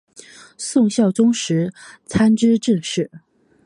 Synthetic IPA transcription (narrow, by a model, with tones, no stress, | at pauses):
sʊ˥˧ŋɕjɑ˥˩ʊt͡sʊ˥ŋʂɻ̩˧˥t͡sʰa˥nʈ͡ʂɻ̩˥ʈ͡ʂɤ˥˧ʂɻ̩˥˩